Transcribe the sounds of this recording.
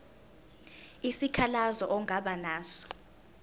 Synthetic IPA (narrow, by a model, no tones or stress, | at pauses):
isikʰalazɔʔɔŋʱaɓanaːsɔ̥